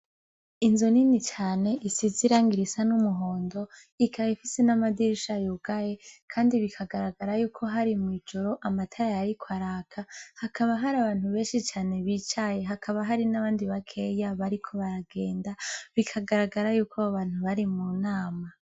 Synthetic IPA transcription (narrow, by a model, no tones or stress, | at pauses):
inzoninit͡ʃaːne̞ʔisiziɾaːŋɡiɾisanumuɦo̞ːndo̞ | ikʰajifisenamadiɾiʃajuɡ̥aje̞kʰaːndiβikʰaɡaɾaɡaɾajuːkʰo̞ɦaɾimwiːd͡ʒo̞ɾo̞ʔamatʰaɾajaɾikʰwaɾaːkʰahakʰaβaɦaɾaβaːn̥huβe̞ːnʃit͡ʃaːne̞βit͡ʃaje̞ɦakʰaβaɦaɾinaβaːndiβakʰe̞jaβaɾikʰo̞βaɾaɡe̞ːndaβikʰaɡaɾaɡaɾajuːkʰoaβaːn̥huβaɾimuːnaːma